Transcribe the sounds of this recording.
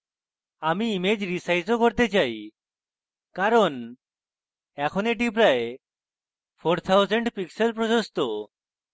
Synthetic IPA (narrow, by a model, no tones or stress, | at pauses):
amiːmed͡ʑɾisajzokɔɾt̪et͡ʃaj | kaɾɔn | ɛkʰɔneʈip̬ɾae | pʰoɾt̪ʰawzeɳɖpikselpɾɔsost̪o